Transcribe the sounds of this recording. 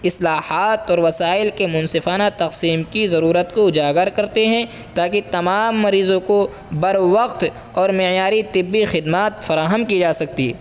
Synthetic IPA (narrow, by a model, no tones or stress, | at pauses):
ɪslaːhaːt̪ɔːɾʋɐsaːɪlkemʊ̃nsɪfaːnat̪ɐqsiːmkizɐɾuːɾət̪koʊd͡ʒaːɡəɾkɐɾt̪eɦɛ̃ | t̪aːkit̪ɐmaːmːɐɾiːzõko | bɐɾʋɐqt̪ | ɔːɾmɪjaːɾit̪ɪbːixɪd̪maːt̪fɐɾaːɦəmkid͡ʒaːsɐk̚t̪ḭː